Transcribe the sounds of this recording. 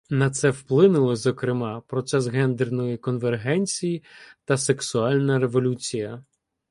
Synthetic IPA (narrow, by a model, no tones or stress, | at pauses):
nɐt̪sɛwplˠɪnʊlˠɔzɔkɾɪmɑpɾɔt̪sɛsɣɛnd̪ernɔjikɔnʋerɦɛnʲt͡sʲijit̪ɐse̞ksʊɑlʲnɐɾeʋɔlʲut͡sʲijɐ